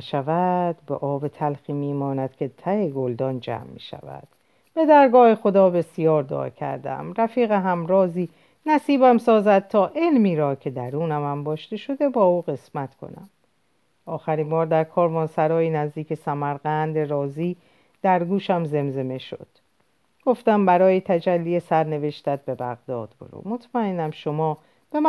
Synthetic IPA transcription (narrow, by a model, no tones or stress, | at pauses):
ʃævæd̪̥bḛʔɒːbe̞t̪ʰælxiːmiːmɒːnæd̪̥cʲʰe̞t̪ʰæeɡo̞ld̪ɒːnd͡ʒæ̰ːmːḭːʃæ̰væ̰d̪̥ | b̥e̞d̪æɾɡɒːhe̞xo̞d̪ɒːbe̞sijɒːɾd̪o̰ʔɒ̰cʰæ̰ɾd̪æ̰mræfiːɣeɦæmɾɒːziː | næsiːbæmsɒːzæd̪̥̚t̪ʰɒːʔe̞lmiːɾɒːcʰe̞d̪æɾuːnæmæmbɒːʃt̪e̞ʃo̞d̪e̞bɒːuːɣe̞smæt̪kʰo̞̰næ̰m | ʔɒːxæɾiːnbɒːɾd̪æɾkʰɒːɾmɒːnsæɾɒːjenæzd̪iːcʰe̞sæmæɾɣænd̪eɾɒːziː | d̪̥æɾɡuːʃæmze̞mze̞me̞ʃo̰d̪̥ | ɡ̥o̞ft̪æmbæɾɒːjet̪ʰæd͡ʒælːiːesæɾne̞ve̞ʃt̪æd̪̚be̞bæ̰ɣd̪ɒːd̪̥bo̞̰ɾṵːmo̞t̪ʰmæenæmʃo̞mɒː | b̥e̞